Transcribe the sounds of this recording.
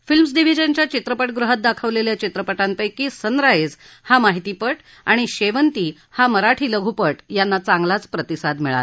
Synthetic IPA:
filmsɖiʋ̤id͡ʑənt͡ɕjat͡ɕit̪ɾəpəʈɡɾuɦət̪̚d̪akʰəʋleljat͡ɕit̪ɾəpəʈant̪əjkiːsənɾaed͡z | hamaɦit̪iːpəʈ | aɽ̃iɕeʋənt̪iː | haməɾaʈʰiːləɡʱupəʈjanːat͡sãŋɡlat͡spɾət̪isad̪miɭa̰l

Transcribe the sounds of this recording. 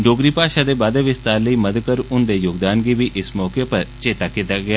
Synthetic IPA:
ɖoːɡɾiːpaːʃaːd̪eːbaːd̪eːʋɪst̪aːɾləiːməd̪əkəɾʊnd̪eːjoːɡd̪aːnɡiːʋiːʔɪsmɔːkeːpəɾt͡ʃeːt̪aːkɪt̪ːaːɡɪaː

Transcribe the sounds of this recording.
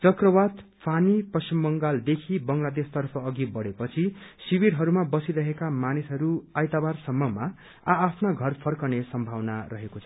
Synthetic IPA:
t͡sʌkrʌbad̪pʰanipʌsimːʌŋɡald̪ekʰibʌŋlad̪est̪ʌrpʰʌːɡibʌɽepʌt͡sʰisibiɾɦʌɾumabʌsiɾʌɦekamanisɦʌɾuajt̪abarsʌmːʌma | aːpʰnaɡʱʌrpʰʌrkʌnesʌmbʱawna̰ɾʌɦekot͡sʰʌ

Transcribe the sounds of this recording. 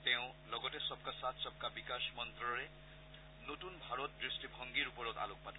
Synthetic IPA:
t̪jew̃lʌɡʌʈesʌb̚kasat̪ʰsʌb̚kabikasmʌnt̪rʌɾe | noʈunbʱaɾot̪̚d̪risʈibʱʌŋɡiɾupʌɾot̪a̰lok̚matʰ

